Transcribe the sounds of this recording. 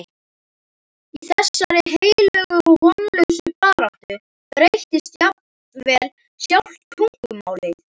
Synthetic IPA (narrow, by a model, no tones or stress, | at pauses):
iθɛsːaɾɪɦeːjjlœɣʏɔɣhɔnlʏsʏpaːɾaw̥t̪ʏ | t̪ɾejht̪ɪst̪jap̚n | vɛːl | sjawl̥t̪kʰuŋ̥kʏma̰ːwlɪ